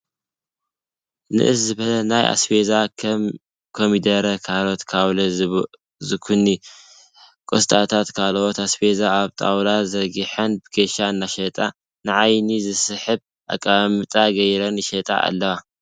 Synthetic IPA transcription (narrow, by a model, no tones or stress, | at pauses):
nɨ̰ʔɨszɨβɐlɐnajʔa̰sfeza | kʰomid̪ɐɾɐkʰalot̪kʰaβlɐ | zɨkʰunːi | kʼost̪ʼat̪ʰat̪kʰalʔot̪asfezaːβt̪ʼa̰wlazɐɡiħɐnbɨɡeʃaɨnːaʃɐt̪ʼa | nɨʕajnizɨsɨħɨβ | ʔa̰kʼːamɨt̪ʼaɡɐjɾɐniʃɐt̪ʼa̰ʔa̰lːɐwa